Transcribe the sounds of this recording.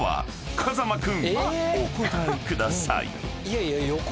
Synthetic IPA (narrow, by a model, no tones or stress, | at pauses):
βa̰ | kʰazamakɯ̟̃ŋokot̪aɯkɯd̪asa̰ḭiajajo